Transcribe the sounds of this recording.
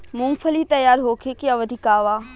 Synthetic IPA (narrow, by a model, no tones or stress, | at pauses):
mʊ̃ŋpʰəlit̪ɐjaːɾɦoːkʰekiɐʋəd̪ʱɪkaːʋaː